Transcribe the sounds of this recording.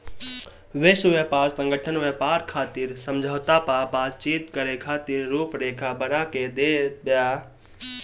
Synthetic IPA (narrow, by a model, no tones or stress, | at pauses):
ʋesʊʋepaːɾsə̃ŋɡəʈʰənʋepaːɾkʰaːt̪iɾsəmd͡ʒʱəʋt̪apabaːt̪̚t͡ʃiːt̪kəɾekʰaːt̪iːɾːuːpɾeːkʰabənaːked̪eːbjaː